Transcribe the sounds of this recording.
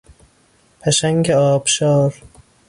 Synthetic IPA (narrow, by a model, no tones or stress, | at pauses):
pʰæʃæŋɡeɒːb̥ʃɒːɾ